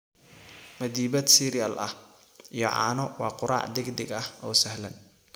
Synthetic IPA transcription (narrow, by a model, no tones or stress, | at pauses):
mɐd̪iːbɐd̪siɾɪjɐlʔɐh | ʔijɔ̰ʕɑ̰ːnɔwɑːqʊɾɑ̰ːʕd̪ɪɡd̪ɪɡɐhɔːsɐɦlɐn